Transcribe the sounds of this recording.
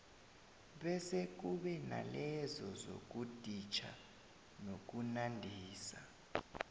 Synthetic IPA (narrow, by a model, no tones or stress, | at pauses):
ɓɛsek̬uɓɛna̰lɛzɔzo̰k̬ud̥ʱit͡ʃʰa̰ | nok̬unandʱiːsa